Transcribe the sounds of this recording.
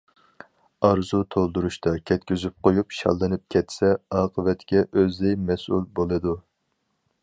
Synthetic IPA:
ɑɾzut̪ʰolˠd̪uɾuʃt̪ɑkʲʰɛt̪kʲyzyp̚qojupʃɑ̰lˠːɨnɨp̚kʲʰɛt̪sɛɑːqʰəvɛt̪kʲɛʔøzd̪ɪjmɛsṵlbolˠɨd̪u

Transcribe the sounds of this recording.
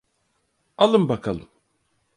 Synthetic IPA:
alˠɯmbakʰalˠɯm

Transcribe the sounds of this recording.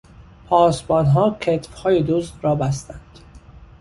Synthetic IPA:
pʰɒːsbɒːnɦɒːcʰet̪fhɒːjed̪oːzd̪ɾɒːbæst̪ænd̪̥

